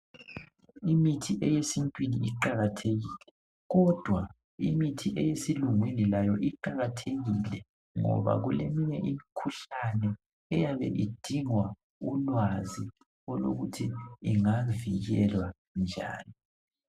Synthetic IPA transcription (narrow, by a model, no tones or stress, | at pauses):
imitʰiʔɛjesintʼwiniiǃaɣatʰeɣiːlɛ | ɣɔd̥ʱwa | imitʰiʔɛjesiluŋwinilajɔʔiǃaɣatʰeɣilɛ | ŋɔ̰βa̰ɣulemiɲɛʔimikʰuɬanɛ | ɛjaβɛ̰ʔid̥ʱiŋwa | ulwazi | ɔlo̰ɣutʰiːŋaviɣɛlwa | nd͡ʒʱa̰ːni